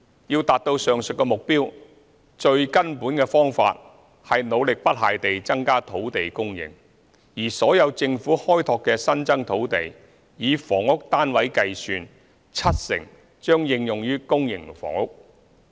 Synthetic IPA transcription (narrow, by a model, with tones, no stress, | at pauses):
jiː˧wt̪aː˨t̚t̪o˧wsœː˨ŋsɵ˨t̚kːɛ˧mʊ˨k̚piː˥w | t͡ʃɵ˧ɥkɐ˥npuː˨˥nkɛ˧fɔː˥ŋfa̰ː˧t̚ | hɐ˨jno˨˧wlɪ˨k̚pɐ˥t̚ɦaː˨jt̪e˨jt͡sɐ˥ŋkaː˥t̪ʰo˨˥wt̪e˨jkʊ˥ŋjɪ̰˨˩ŋ | jiː˨˩sɔː˨˥jɐ˨˧wt͡sɪ˧ŋfuː˨˥hɔː˥jt̪ʰɔː˨˧kːɛː˧sɐ˥nt͡sɐ˥ŋt̪ʰo˨˥wt̪e˨j | jiː˨˧fɔː˨˩ŋʊ˥k̚t̪aː˥nwɐ˨˥jkɐ˧jsyː˨˧n | t͡sʰɐ˥t̚sɪ̰˨˩ŋ | t͡ʃœː˥ŋjɪ˧ŋjʊ˨ŋjyː˥kʊ˥ŋjɪ˨˩ŋfɔ̰ː˨˩ŋʊ˥k̚